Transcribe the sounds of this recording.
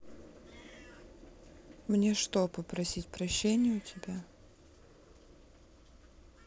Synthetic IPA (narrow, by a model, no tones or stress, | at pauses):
mnʲe̞ʂt̪opəpɾɐsʲitʲpɾɐɕːenʲɪjəʊtʲɪbʲa